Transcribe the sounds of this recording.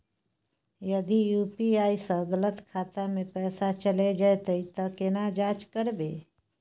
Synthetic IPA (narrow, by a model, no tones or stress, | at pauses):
jəd̪ijuːpiaːisə̃ɡələt̪kʰaːt̪amẽpɛːsat͡ʃəled͡ʒajt̪əit̪əkɪnad͡ʒaːt͡ʃkəɾbeː